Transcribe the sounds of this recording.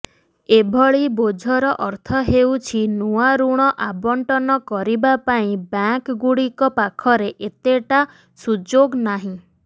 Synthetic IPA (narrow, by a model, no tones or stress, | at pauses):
ebʱɔɭibod͡ʒʱɔɾɔʔɔɾt̪ʰɔɦewt͡ʃʰinuaɾuɽ̃ɔʔabɔɳʈɔnɔkɔɾibapaĩbaŋkɡuɽikɔpakʰɔɾeʔet̪eʈa | sud͡ʒoɡnaɦĩ